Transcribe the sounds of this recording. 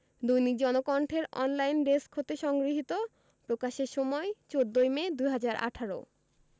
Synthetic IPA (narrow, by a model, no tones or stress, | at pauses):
d̪ujnik̚d͡ʑɔnokɔɳʈʰeɾɔ̰nlajnɖeskʰot̪eʃɔŋɡɾiɦit̪o | pɾokaʃeɾʃɔmɔet͡ɕod̪ːojmed̪ujɦad͡ʑaɾʔa̰ʈʰaɾo̰